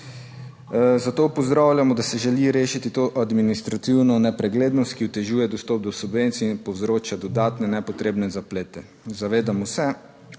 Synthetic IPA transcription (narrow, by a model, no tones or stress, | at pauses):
zat̪oːpɔzd̪ɾawlʲjamɔd̪asɛʒɛliɾeːʃit̪it̪oːʔad̪minist̪ɾat̪iwnɔnɛpɾɛɡleːd̪nɔst̪kiut̪ɛʒuːjɛd̪ɔst̪ɔp̚d̪ɔsubʋent̪siinpɔwzɾoːt͡ʃad̪ɔd̪aːt̪nɛnɛpɔt̪ɾeːbnɛzapleːt̪ɛ | zaʋeːd̪amɔsɛ